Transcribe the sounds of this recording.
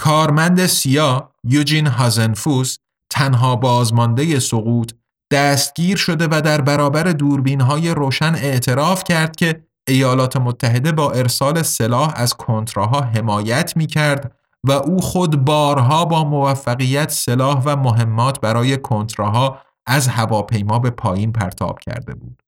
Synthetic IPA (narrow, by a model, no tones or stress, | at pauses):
kʰɒːɾmænd̪e̞sijɒːjud͡ʒinɦɒːzenfus | t̪ʰːænɦɒːbɒːzmɒnd̪e̞je̞soɣuːt̪ʰ | d̪̥æːst̪̚ɟ̥iːɾʃo̞d̪e̞væd̪æɾbæɾɒːbæɾe̞d̪uːɾbiːnɦɒːje̞ɾoːʃæne̞ʔt̪ʰe̞ɾɒːfcʰæɾd̪̥̚cʲʰe̞ | ejɒːlɒːt̪ʰe̞mot̪ʰːæɦe̞d̪e̞bɒːʔe̞ɾsɒːle̞se̞lɒːhæzkʰont̪ʰɾoɦɒːɦe̞mɒːjæt̪ʰmiːcʰæɾd̪ | væʔuːxod̪bɒːɾɦɒːbɒːmovæfːæɣijæt̪ʰse̞lɒːhvæmoɦe̞mːɒːt̪ʰbæɾɒːje̞kʰont̪ɾeɦɒː | æzhævɒːpʰe̞jmɒːbe̞pʰɒːjiːnpʰæ̰ɾt̪ʰɒ̰ːb̥cʰæ̰ɾd̪e̞̰buːd̪̥